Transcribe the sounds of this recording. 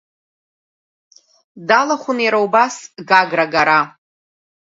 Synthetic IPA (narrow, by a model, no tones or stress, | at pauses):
dalaχʷʊnijɾawbasɡaɡraɡaɾa